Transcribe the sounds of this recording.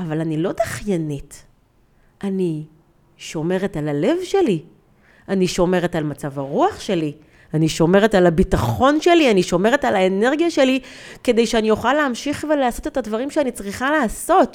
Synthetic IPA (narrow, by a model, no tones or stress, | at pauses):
avalanilodaχjanit | ʔani | ʃo̞me̞ʁetalale̞vʃe̞li | aniʃo̞me̞ʁetalmat͡savaʁuaχʃe̞li | aniʃo̞me̞ʁe̞talabitaχo̞nʃe̞lianiʃo̞me̞ʁe̞talaene̞ʁɡjaʃe̞like̞de̞jʃeanijoχaleamʃiχveleaso̞te̞tadvaʁimʃeanit͡sʁiχalaːso̞t